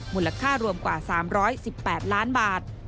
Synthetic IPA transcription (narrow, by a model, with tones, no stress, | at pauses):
mu˨˩lːa˧kʰaː˥˩ɾu˧əmkwaː˨˩saː˩˦mɾɔː˦˥jsi˨˩pːɛː˨˩t̪̚laː˦˥nbaː˨˩t̪̚